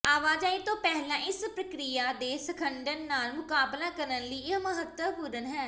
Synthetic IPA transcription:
aːʋaːd͡ʒaːit̪õːpɛɦlãːʔɪspɾəkɾijaːd̪eːsəkʰəɳɖənːaːlmʊkaːblaːkəɾənləiːɪməɦət̪wəpuːɾənɦɛː

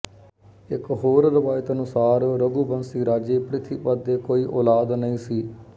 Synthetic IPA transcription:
ɪkɦoːɾɾəʋaːɪt̪ənʊsaːɾɾəɡuːbənsiːɾaːd͡ʒeːpɾɪt̪ʰiːpəd̪ːeːkoːiːʔoːlaːd̪nəĩːsiː

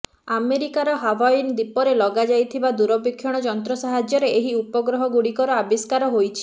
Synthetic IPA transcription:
ameɾikaɾɔɦabaind̪ipɔɾelɔɡad͡ʒajt̪ʰibad̪uɾɔbikʰːjɔɽ̃ɔd͡ʒɔnt̪ɾɔsaɦad͡ʒjɔɾeeɦiupɔɡɾɔɦɔɡuɽikɔɾɔabiskaɾɔɦojt͡ʃʰi̥

